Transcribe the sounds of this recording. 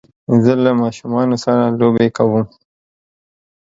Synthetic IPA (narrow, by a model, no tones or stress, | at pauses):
zəlamɑʃumɑnosaɾalobekawum